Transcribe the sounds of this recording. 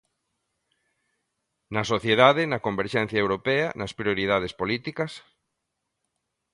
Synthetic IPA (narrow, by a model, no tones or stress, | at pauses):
nɐsoθjeðaðɪnɐkombeɾʃɛn̟θjaewɾopɛɐnɐspɾioɾið̞að̞espolit̪ikɐs